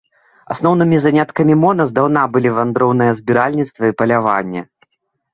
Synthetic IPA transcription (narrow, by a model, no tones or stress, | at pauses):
a̰snɔwnɨmʲizanʲat̪kɐmʲimɔnɐzd̪awnabɨlʲivand̪ɾɔwnɨjɐzbʲiɾalʲnʲit̪st̪vɐipɐlʲavanʲːɛ̰